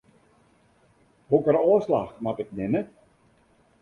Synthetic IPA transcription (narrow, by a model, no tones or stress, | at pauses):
ɦukəɾɔːslaxmatɪknɪmə